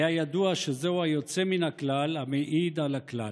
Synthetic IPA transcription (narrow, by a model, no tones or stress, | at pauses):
jajad̪uaʃezeuajo̞t͡se̞minaklalhameʔid̪alakla